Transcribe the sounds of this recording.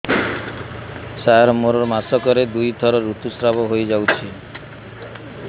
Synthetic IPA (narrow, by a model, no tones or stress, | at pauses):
saɾmoɾɔɾmasɔkɔɾed̪ujt̪ɔɾɔɾut̪usɾabɔɦojd͡ʒawt͡ʃʰi